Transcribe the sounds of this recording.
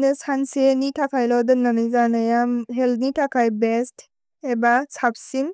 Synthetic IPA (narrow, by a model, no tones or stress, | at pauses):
nɯsansenitʰakʰajlɔdɯnanɯjzanajamɦɛlnitʰakʰajbest | ebasap̚siŋ